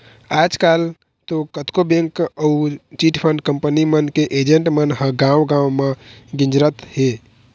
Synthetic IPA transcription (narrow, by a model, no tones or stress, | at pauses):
ad͡ʒkal | t̪okət̪kobẽŋkəut͡ʃiʈpʰəɳɖkəmpənimənkeʔed͡ʒeɳʈmənɦə̃ɡãwɡãwmeɡĩnd͡ʒɾət̪he